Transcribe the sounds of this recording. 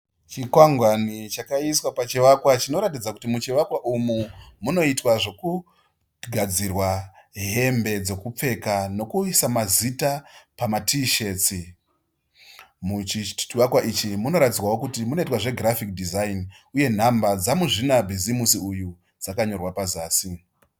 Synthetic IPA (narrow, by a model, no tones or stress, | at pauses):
t͡ʃikwaŋɡwanit͡ʃakaiswapat͡ʃeʋakwat͡ʃino̞ɾatid͡zaku̥timut͡ʃeʋakwaʔumumuno̞itwaʐo̞ku | ɡʱad͡zirwaɦe̞mbe̞d͡zo̞kup͡fe̞kano̞kuisamazitapamatʰiʃe̞ːt͡si | mut͡ʃiiʋakwaʔit͡ʃimuno̞ɾatid͡zwawo̞kutimuno̞itwaʐe̞ɡrafik̚dʱizain | uje̞n̤ambad͡zamuʐinabʱizimusiuju | d͡zakaɲo̞rwapazaːsi